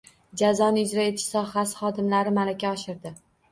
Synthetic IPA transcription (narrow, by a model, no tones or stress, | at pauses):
d͡ʒazɒnɪʊd͡ʒɾaet̪ʰɪ̥ʃsɒχasɪ̥χɒd̪ɪmlaɾɪmalakʲʰaɒʃɪɾd̪ɪ